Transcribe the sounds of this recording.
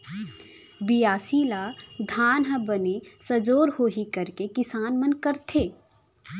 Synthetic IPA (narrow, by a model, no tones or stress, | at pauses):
bijaːsiːlad̪ʱaːnɦəbənesəd͡ʒoːɾhoːɦikəɾkekɪsaːnmənkəɾt̪ʰeː